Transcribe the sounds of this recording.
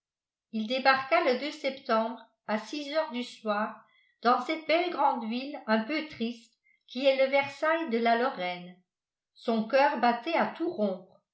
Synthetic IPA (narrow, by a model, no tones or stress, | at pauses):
ild̪ebaʁkaləd̪øsɛpt̪ɑ̃bʁ | asizœːʁd̪yswaːʁ | d̪̥ɑ̃sɛt̪̚bɛlɡʁɑ̃d̪vilɛ̃pøt̪χist̪ | kʲiɛləvɛʁsajd̪əlalɔʁɛn | sɔ̃kœːʁbat̪ɛat̪uʁɔ̃ːpχ